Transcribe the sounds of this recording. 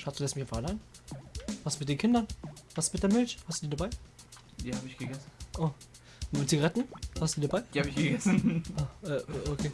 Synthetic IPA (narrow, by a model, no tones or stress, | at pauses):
ʃatsduːlɛstmçafaalaɪn | vaːstmɪt̚deːnkʰɪndɐnv̥astmɪt̚d̥eːɐmɪlçhastdudiːdabaɪ | d̥ihaːbəɪçɡ̥əɡɛs̩nʔoː | mɪtt͡siɡɐʁɛtn̩hastdudiːdabaɪ̥ihabɪçɡ̥əɡɛsnʔaːʔɛːʔoʔokʰeː